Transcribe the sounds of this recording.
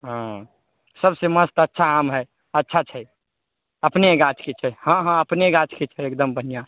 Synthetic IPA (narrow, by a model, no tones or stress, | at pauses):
ɦã | səbseməst̪ətːʃʰaamɦɛ | ətːʃʰat͡ʃʰɛ | əpneɡat͡ʃʰket͡ʃʰɛhãɦãəpneɡat͡ʃket͡ʃʰɛekd̪əmbʱənija